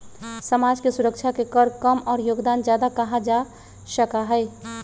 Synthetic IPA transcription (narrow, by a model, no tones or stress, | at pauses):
səmad͡ʒkesuɾək̚t͡ʃʰakekəɾkəmɔːɾjoɡd̪and͡ʒjad̪akəɦad͡ʒa | səkaɦəɪ